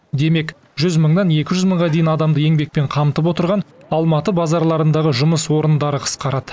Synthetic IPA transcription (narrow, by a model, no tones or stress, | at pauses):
d̪e̞me̞k | ʒʏzməɴd̪ɑne̞kʲɪʒʏzməɴʁɑd̪e̞jɪnɑd̪ɑmd̪əje̞ŋbe̞k̚pe̞ɴqʰɑmt̪əp̬wo̞t̪əɾʁɑnɑlˠmɑt̪əbɑzɑɾlˠɑɾənd̪ɑʁəʒʊməswo̞ɾənd̪ɑɾəqʰə̥sqɑɾɑd̪̥ə